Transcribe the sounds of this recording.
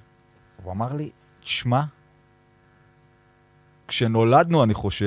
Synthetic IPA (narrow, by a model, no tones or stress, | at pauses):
vamaʁli | t̪ʃma | kʃe̞no̞lad̪nuaniχo̞ʃe